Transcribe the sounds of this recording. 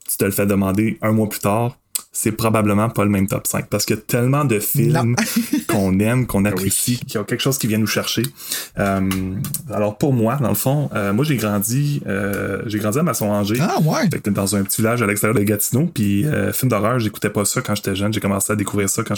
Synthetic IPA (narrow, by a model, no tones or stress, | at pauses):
t̪y̥t̪əlfɛd̪əmɑ̃d̪eɛ̃mwaply̥t̪aːʁ | sɛpʁɔbabləmɑ̃pʌləmɛ̃mt̪ɔ̰psɛ̃k̚paʁsə̥kəjat̪ʰɛlmɑ̃d̪əfɪlmkʰɔ̃nɛmkɔ̃napesikʰjɔ̃kʲɛlkəʃoʊz̥kʲivjɛ̃nuʃɛʁʃe | əmalɔːʁpuʁmwad̪ɑ̰̃ləfɔ̃əmwaʒeɡʁɑ̃d͡zziə̰ʒeɡʁɑ̃dd͡ziamasɔ̃ɑ̃ʒewafɛkt̪ɛd̪ɑ̃zœ̃pə̥tt͡s̪ivilaʒalɛkst̪eʁjœːʁd̪əɡat̪inopiø̰fɪlmd̪ɔʁœːʁʒeku̥t̪ɛpʌsɔkɑ̃ʒet̪ɛʒœnʒekɔmɑ̰̃sead̪ekuvʁiːʁsɔkɑ̃